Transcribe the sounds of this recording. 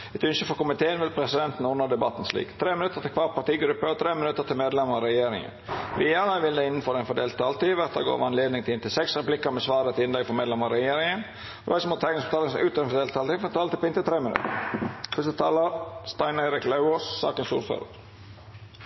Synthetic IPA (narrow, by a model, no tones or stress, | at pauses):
ɛt̪ʉnʃəfɔɾkʊmɪt̪ʰeːənʋɪlpʰɾɛsɪd̪ɛnt̪n̩ʊnəd̪ɛbɑt̪n̩slḭːkt̪ʰɾeːmɪnʉt̪əɾt̪ʰɪlkʰʋɑːɾpʰɑʈ̪iːɡɾʉpːət̪ʰɾeːmɪnʉt̪əɾt̪ʰɪlmeːd̪lɛməɾɛjeːɾɪ̰ŋə̰nʋiːɑʁəʋɪld̪ɛɪnːən̩fɔɾɛɪnfɔɖ̪eːlt̪ʰːɑːlt̪iːʋæʁt̪ɑ̰ɡo̰ːʋɑnleːd̪nɪŋt̪ɪlɪnt̪ʰɪlsɛksɾɛplɪkːəmɛsʋɑːɾət̪ɪɪnlɛɡfɔɾmeːd̪lɛməɾɛjeːɾɪŋən | fʋæsɔmɔt̪ʰɛɪknɪŋst̪ɑːləsn̩ʉːt̪ɛnfɔd̪eːlt̪ʰːɑlt̪iːfɔɛnt̪ʰːɑlt̪ɪpɔɪnt̪ət̪ʰɾeːmɪnʉ̰t̪ə̰ɾfʉsət̪ʰɑːləɾst̪ɑɪneɾɪklɑʉoːssɑ̰ːkənsṵːɾfø̰ːɾə̰ɾ